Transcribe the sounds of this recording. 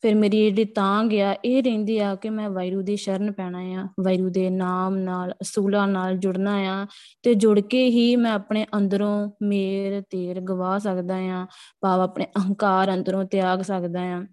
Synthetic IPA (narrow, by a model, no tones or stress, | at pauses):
pʰɪɾmeːɾiːeɽiːt̪ãːɡɪaːʔeːɾɛ̃ːnd̪iːaːkɪmɛ̃ːʋaːiɾuːd̪eːʃəɾənpɛːɽ̃aːjãːʋaːiɾuːd̪eːnaːmnaːləsuːlãːnaːld͡ʒʊɽnaːjãːt̪eːd͡ʒʊɽkeːɦiːmɛ̃ːapɳeːʔənd̪əɾõːmeːɾt̪eːɾɡəʋaːsəkd̪aːjãːpaːʋaːpɳeːʔəŋkaːɾə̃nd̪əɾõːt̪ɪjaːɡsəkd̪aːjãː